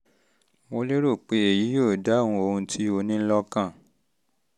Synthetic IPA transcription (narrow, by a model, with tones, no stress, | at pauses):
wo˧˦le˦ɾo˦˨k͡pe˧˦e˨ji˨˦joː˦˨da˨˦˨hũ˧o˧hũ˧tʰi˦o˧nĩ˦lɔ˦kã˦˨